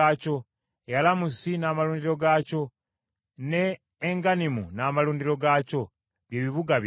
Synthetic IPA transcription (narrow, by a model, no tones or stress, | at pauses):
aco̞ | jalamusinaːmaluːndiɾo̞ɡaco̞ | ne̞ː | ŋɡanimunaːmaluːndiɾo̞ɡaːco̞ | βjeːβiβuɡaβ